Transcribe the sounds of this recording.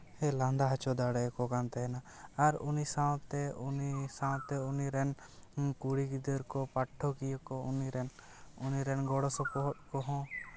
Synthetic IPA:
hɛland̪aɦat͡ʃɔd̪aɽɛkɔkant̪ɛna | aɾunisaw̃t̪ɛunisãw̃t̪ɛuniɾɛnkuɽiɡid̪əɾkɔpaʈʰːɔkijɔkɔuniɾɛn | uniɾɛnɡɔɽɔsɔkɔɦɔt̚kɔɦɔ̃

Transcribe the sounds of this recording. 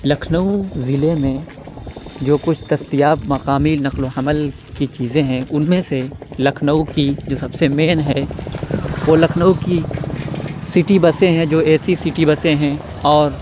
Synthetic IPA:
lɐkʰnəuzɪlemẽ | d͡ʒoːkʊt͡ʃʰd̪̥ɐst̪ijaːbmɐqaːminɐqloɐməl | kit͡ʃiːzẽɦɛ̃ʔʊnmẽselɐkʰnəukid͡ʒoːsɐbsemeːnɦɛ | ʋolɐkʰnəuki | sɪʈibɐsẽɦɛ̃d͡ʒoːɛːsisɪʈibɐsẽɦɛ̃ | ɔːɾ

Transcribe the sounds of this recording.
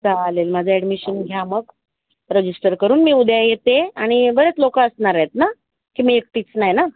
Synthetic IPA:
d͡zalelmad͡zʱaɛɽmiɕənɡʱjaməɡ | ɾəd͡ʑisʈəɾkəɾuːnmiːud̪jajet̪eaɽ̃ibəɾet͡slokaəsɳaɾaet̪̚na | kimiːek̚ʈ̪iːt͡snajna

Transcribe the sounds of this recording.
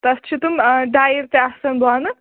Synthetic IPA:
t̪ɐst͡ʃʰit̪umɖajiɾt̪easɐnbʱɔnɨ

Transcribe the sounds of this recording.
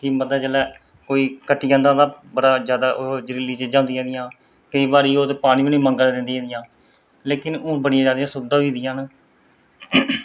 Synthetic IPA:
kiməd̪aːt͡ʃəlɛː | koːiːkəʈːiːãːnd̪ãːd̪aːbəɽaːzjaːd̪aːʔod͡ʒəɾiːliːt͡ʃd͡ʒãːnd̪ɪjãːd̪ɪjãː | kəiːbaːɾiːoːt̪eːpaːɽ̃ĩːʋĩːnĩːməŋɡəld̪ɪnd̪iãːd̪ɪjãː | leːkɪnõːbəɽɪjãːd͡ʒaːd̪jãːsʊbd̪ãːiːd̪ɪjãːn

